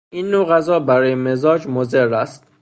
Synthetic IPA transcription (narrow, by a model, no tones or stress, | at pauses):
iːnːoɣæzɒːbæɾɒːjeme̞zɒːd͡ʒmoze̞ɾːæst̪̚